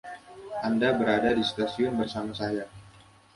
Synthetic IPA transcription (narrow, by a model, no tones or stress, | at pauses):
ʔandabəɾadadist̪asiʊnbərsamasaja